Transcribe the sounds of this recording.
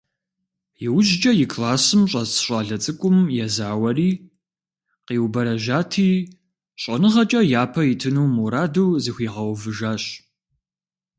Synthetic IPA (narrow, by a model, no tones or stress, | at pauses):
jɪwʊʒd͡ʒʼɐjɪkʰlaːsɨmɕʼɐzɕʷʼaːɮɐt͡sʼɨkʷʼʊmjɛzaːwɐriː | qiːwbɐɾɐʒaːtʰiː | ɕʼɐnɨʁɐt͡ʃʼɐjaːpʰɐjɪtʰɨnuːmuɾaːdɐwzɨxʷiːʁɐwvɨʒaːɕ